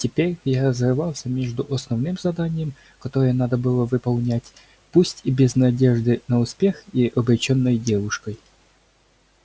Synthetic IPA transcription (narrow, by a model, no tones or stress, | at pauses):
tʲɪpʲeɾʲjaɾəzvʲɨvɑlˠsʲəmʲe̞ʐd̪ʊʔɐsnɐvnɨmzɐd̪anʲɪjəm | kɐt̪o̞ɾɨjənad̪əbɨlˠəvɨpɐlˠnʲætʲ | pusʲtʲibʲɪznɐdʲeʐd̪ɨnəʊspʲe̞xiʔɐbɾʲɪt͡ɕonːəjdʲevʊʂkəj